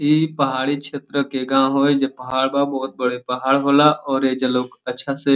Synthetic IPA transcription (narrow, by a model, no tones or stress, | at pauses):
iːpəɦaːɽikʃʰeːt̪ɾəkeɡãːɦoːed͡ʒepəɦaːɽbabɔːt̪̚bəɽepɐɦaːɽɦoːlaʔɔːɾed͡ʒəloːkətːʃʰase